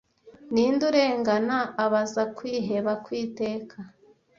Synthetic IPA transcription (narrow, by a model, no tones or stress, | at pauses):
niːnduɾe̞ːŋɡanaːβazakwiːɦe̞βakwiːte̞ːkʰa